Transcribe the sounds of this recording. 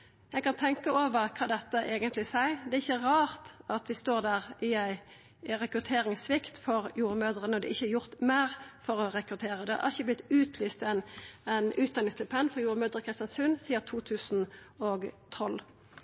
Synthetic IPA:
jæɪɡkɑnt̪ʰɛŋkəoːʋəʁkʰɑːd̪ɛt̪ːəʔeːɡənt̪lɪsæɪd̪ɛæɾɪçːəʁɑːʁt̪ɑt̪ʋɪst̪oːʁd̪æːʁɪæɪ | ɾɛkʁʉt̪ʰeːɾɪŋsʋɪkt̪fɔʁjuːʁəmøːd̪əʁənəɔd̪ɪ̰ʔɪçəjʊʁt̪mæːʁfɔʁɔɾɛkɾʉt̪ʰeːʁəd̪ɛhɑ̰æ̰ʁɪçəblɪt̪ʉːt̪ʰlyːst̪ɛnɛnʔʉːt̪̚d̪ɑnɪŋst̪ʰɪlpʰɛnːfɔʁjuːʁəmøːd̪əʁəkʰʁɪst̪jɑnsʉnsiːəʁt̪ʰuːt̪ʰʉːsn̩ɔɡt̪ʰɔl

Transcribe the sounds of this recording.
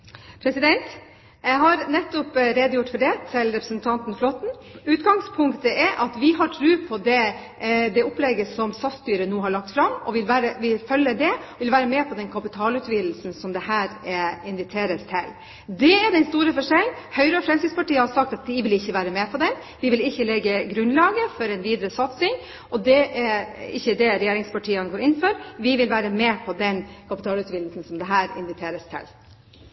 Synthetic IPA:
pʰɾɛsɪd̪ɛnt̪ | jæɪɦɑɾnɛt̪ːʊpɾeːd̪əjʊʈːfɔɖɛt̪ʰɪlɾɛpɾəsnt̪ʰɑnt̪n̩flɔt̪n̩ʉːt̪ɡɑŋspʰʊŋkt̪əʔɛʔɑt̪ʋɪɦɑʈʰɾʉːpʰɔd̪ɛ | d̪ɛɔplɛɡəsɔmsɑst̪yːɾənuːɦɑɭɑk̚t̪fɾɑmɔ̰ʋɪlʋæːɾəʋɪlfœlːəd̪ɛʋɪlʋæːɾəmɛːpʰɔd̪ɛnkʰɑpɪt̪ʰɑːlʉt̪ʋiːd̪l̩sn̩sɔmd̪ɛhæːɾɛɪnʋɪt̪ʰeːɾəst̪ʰɛl | d̪ɛɛd̪ɛnst̪uːɾəfɔʂɛlnhœʏɾəɔfɾɛmskɪd̪spɑʈiːəhɑɾsɑkt̪ɑt̪̚d̪ɪʋɪlɪçːəʋæːɾəmɛːpʰɔd̪ɛn | d̪ɪʋɪlɪçːəlɛɡːəɡɾʉnlɑːɡəfɔɾɛnʋiːd̪ɾəsɑt̪sɪŋ | ɔd̪ɛʔɛɪçːəd̪ɛɾɛjeːɾɪŋspɑʈʰiːənɡoːɾɪnːfɔɾʋɪʋɪlʋæːɾəmɛːpʰɔd̪ɛnkʰɑpɪt̪ʰɑːlʉt̪ʋiːd̪lsn̩sɔmd̪ɛɦæːɾɪ̰nʋɪt̪ʰeːɾəst̪ʰɛ̰l

